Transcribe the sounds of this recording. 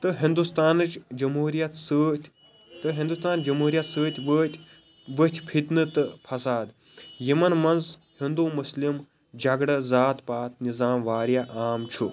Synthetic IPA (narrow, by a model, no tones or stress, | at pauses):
t̪ɨɦind̪ust̪aːnɨt͡ʃd͡ʒɐmɦuːɾijɐt̪səːt̪ʰʲ | t̪ɨɦind̪ust̪aːnd͡ʒɐmɦuːɾijɐt̪səːt̪ʰʲʋt̪ʰʲ | ʋət̪ʰʲpʰit̪nɨt̪ɨpʰɐsaːd̪ | jimɐnmɐnzhind̪umuslim | d͡ʒɐɡɽɐzaːt̪paːt̪nizaːmʋaːɾjaʔaːmt͡ʃʰu